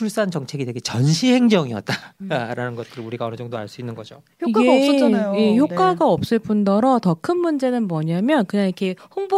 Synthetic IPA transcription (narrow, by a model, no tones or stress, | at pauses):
uɭs͈ant͡ɕʌŋt͡ɕʰe̞ɡidweɡe̞t͡ɕʌnɕʰihe̞ŋd͡ʑʌŋiʌt̚t͈aɾanɯnɡʌt̚k͈ɯuɾiɡaʌnɯd͡ʑʌŋdoa̰ɭs͈uinːɯnɡʌd͡ʑo | ik͈aɡejeçʰokk͈aɡaʌp̚s͈ɯɭp͈undʌɾʌtʌkʰɯnmund͡ʑe̞nɯnmwʌɲamjʌnkɯɲaŋikʰe̞ɸoŋbo